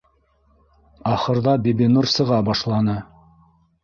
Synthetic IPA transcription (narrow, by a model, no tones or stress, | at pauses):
ɑχɤ̆ɾðɑbʲebʲinursɤ̆ʁɑbɑʃlˠɑnɤ